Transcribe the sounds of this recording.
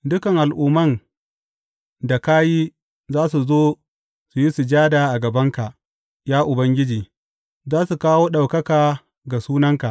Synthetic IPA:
dʊ˦kɐ˨ŋʔa˨lʔuː˦mɐ˦n | da˨ka˦jiː˦ | zaː˦su˨zoː˦ | su˨ji˦su˨d͡ʒaː˦daː˨ʔa˨ɡɐ˨bɐ˦ŋka˨ʔ | jaː˦ʔʊ˨bɐ˦ŋɡʲɪ˦d͡ʒiː˨ | zaː˦su˨kaː˦woː˦ɗa˨wkɐ˦kaː˨ | ɡa˨suː˦nɐ˦ŋka˨ʔ

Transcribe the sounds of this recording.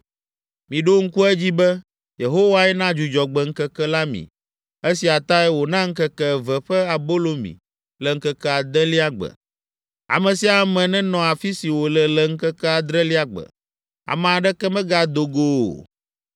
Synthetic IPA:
mĩ˨ɖo˦ŋ̩˦ku˦ɛ˦d͡ʑi˦bɛ˦ | je˨ɦo˦wa˦ɛ˦nã˦d͡ʒu˨d͡ʒɔ˨ɡ͡bɛ˨ŋ̩˦kɛ˦kɛ˦la˦mḭ̃˨ | e˦si˨a˨t̪a˦ɛ˦wo˨nã˦ŋ̩˦kɛ˦kɛ˦˨vɛ˨ɸɛ˦a˨bo˦lo˨mḭ̃˨ | lɛ˨ŋ̩˦kɛ˦kɛ˦a˨d̪ɛ˦li˦a˦ɡ͡bɛ̰˨ | a̰˨mɛ̃˨si˦a˨˦mɛ̃˨nɛ̃˦nɔ̃˨a˨fi˦si˨wo˨lɛ˨lɛ˨ŋ̩˦kɛ˦kɛ˦a˨d̪ɾɛ˦li˦a˦ɡ͡bɛ̰˨ | a̰˨mɛ̃˨a˨ɖɛ˦kɛ˦mɛ̃˦ɡa˨d̪o˨ɡo̰˨

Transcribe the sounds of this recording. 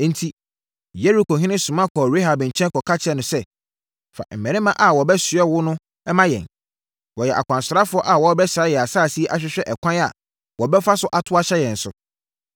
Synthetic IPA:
n̩˦tʰi˦ | je˦ɾi˨kʰo˨ɦĩ˦nɪ̃˦sʊ̃˨mã˦kʰɔː˨ɾe˦ɦa˨bɪ̃˨n̩˨t͡ɕʰɛ̃˦nkʰɔ˨kʰa˦t͡ɕʰɛ˦nʊ̃˨sɛ˦ | fa̰˨m̩˨mɛ̃˨nɪ̃˦mã˦ʔa˨wɔ˨bɛ˦sɪ˨ɛ˦wʊ˦nʊ̃˦ | ɛ˦mã˦jɛ̰̃˨n | wɔ˨jɛ˨ʔa̰˨kʷʰã˨nsʊ˨ɾa˦fʊ˦ɔ˦ʔa˨wɔ˨˦bɛ˦saː˨˦jɛ˨a˨saː˦˨si˦ɛ˦ʔa˦ɕᶣɪ˦ɕᶣɛ˦ʔɛ˨kʷʰã˦na̰˨ | wɔ˨bɛ˦fa˦sʊ˦ʔa˨tʰʊ˦a˦ɕɛ˦jɛ̃˨n̩˨sʊ̰˨

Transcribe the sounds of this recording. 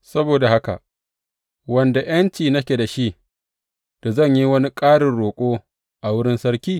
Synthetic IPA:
sɐ˦boː˨da˨ha˦ka̰˨ʔ | wɐ˨nda˨j̰ɐ˦nt͡ʃiː˨nɐ˦kʲe˨da˨ʃi˦ | d̥a˨zɐ˦˨ɲji˦wɐ˦ni˦kʼaː˦ɽɪ˨nɽoː˨kʷʼoː˦ | ʔa˨wʊ˦ɽɪ˦nsɐ˦ɾkʲiː˦

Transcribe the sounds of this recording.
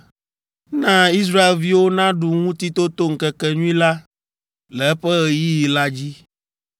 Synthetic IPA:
nã˦i˦s̬ɾa˦e˨lvi˦wo˦nã˦ɖu˨ŋũ˦t̪i˦t̪o˦t̪o˦ŋ̩˨kɛ˨kɛ˨ɲũ˦ĩ˦la˦ | lɛ˨ɛ˦ɸɛ˦ɣɛ˨ji˦ji˨la˦d͡ʑi˦

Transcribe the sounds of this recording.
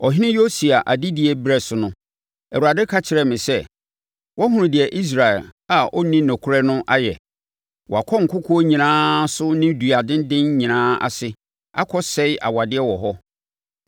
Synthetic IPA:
ɔ˨ɦɪ˦nɪ̃˦jo˦si˨a˨ʔa˨dɪ˦dɪ˨ɛ˨bɾɛ˨sʊ˨nʊ̃˦ | ɛ˨u˨a˨dɛ˦kʰa˦t͡ɕʰɪ˨ɾɛ˨mɪ̃˨sɛ˦ | wʔɔ˦ɦũ˦ʊ̃˨dɪ˨ɛ˨ʔi˦s̬ɾa˨ɛ˨la˨ɔ˦nĩ˦nɛ̃˨kʰʊ˦ɾɛ˦nʊ̃˦ʔa˦jɛ̰˨ | wɔ˨a˨kʰɔ˦ŋ̩˨kʰʊ˦kʰʊ˦o˦ɲĩ˨nãː˦sʊ˦nɪ̃˦du˨a˨dɪ̃˦n˦dɪ̃˦nɲĩ˨nãː˦a̰˨sɪ˦ | a̰˦kʰɔ˦sɛ˦ɪ˦ʔa̰˨wa˨dɪ˦ɛ˦wɔ˨ɦɔ˦

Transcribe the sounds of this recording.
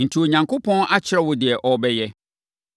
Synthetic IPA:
n̩˨tʰi˨o˨ɲã˨ŋkʰʊ˦pʰɔ̃˦nʔa˦t͡ɕʰɪ˦ɾɛ˦wʊ˨dɪ˨ɛ˨ʔɔ˨bɛ˦jɛ˦

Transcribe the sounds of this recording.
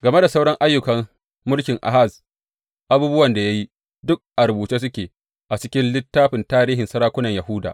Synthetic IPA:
ɡɐ˨me˦da˨sa˦wɽɐ˦ŋʔa˦jːʊ˨kɐ˨m | mʊ˦lkʲɪ˨ŋʔa̰˨ɦa˦˨z | ʔa˨˦buː˦bʊ˦wɐ˨nda˨ja˦ji˦ | dʊ˦k̚ʔa˨ɾʊ˨buː˨t͡ʃeː˦s̬ʊ˦kʲeː˨ | ʔa˨t͡ʃɪ˦kʲɪ˦nlɪ˦tːaː˦ɸɪ˨ntaː˦ɾiː˦ɦɪ˨nsɐ˦ɾaː˦kʷʊ˦nɐ˨ɲjɐ˨hʊ˦da̰˨ʔ

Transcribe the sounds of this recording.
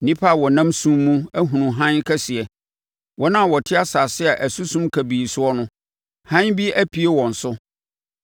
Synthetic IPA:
nĩ˦pʰa˦˨wɔ˨nã˦msũ˦mː˦ũ˦æ˦ɦũ˨nũ˨ɦã˦nkʰɛ˦sɪ˨ɛ˨ | wɔ˦nã˦˨wɔ˨tʰɪ˦a˦sa˨sɪ˦ɛ˨ʔæ˨su˦sũ˦mkʰæ˨biː˨sʊ˦ɔ˦nʊ̃˦ | hã˦nbi˦æ˦pʰi˨e˦wɔ̃˨n̩˨sʊ˦

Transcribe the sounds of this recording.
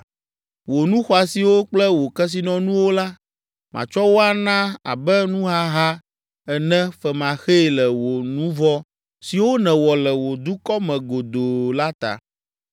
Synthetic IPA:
wo˨nũ˦xɔ˦a˨si˨wo˦k͡plɛ˦wo˨kɛ˦s̬i˦nɔ̃˦nũ˦wo˦la˦ | mã̰˨t͡ʃɔ˦wo˦a˨nã˦a̰˨bɛ˦nũ˦ɦa˦ɦa˦ | ɛ˨nɛ̃˦fɛ˨mã˨xe˦˨lɛ˨wo˨nũ˦vɔ˦ | si˨wo˦nɛ̃˨wɔ˨lɛ˨wo˨d̪u˦kɔ˦mɛ̃˨ɡo˨d̪o˨la˦t̪a̰˨

